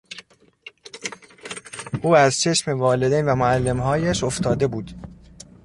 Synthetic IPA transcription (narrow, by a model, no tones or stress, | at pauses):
ʔuːæzt͡ʃʰe̞ʃmevɒːled̪ejnvæmoælːe̞mɦɒːjæʃo̞ft̪ʰɒːd̪e̞buːd̪̥